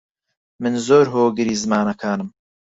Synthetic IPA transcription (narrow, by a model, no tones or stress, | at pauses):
mɨnzoːɾɦoːɡɨɾiːzɨmaːnɐkʰaːnɨm